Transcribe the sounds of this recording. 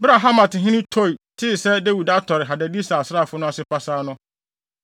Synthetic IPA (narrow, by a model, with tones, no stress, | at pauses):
ba˨ɦa˦mã˨tɪ˨ɦɪ̃˦nɪ̃˦tʰɔ˦˨i˨tʰɪ˦˨sɛ˦de˦wu˨da˦tʰɔ˨ɾɪ˨ɦa˨da˨di˦sa˨sɾa˦˨fʊ˦nʊ̃˦a˦˨sɪ˦pa˦saː˦nʊ̃˦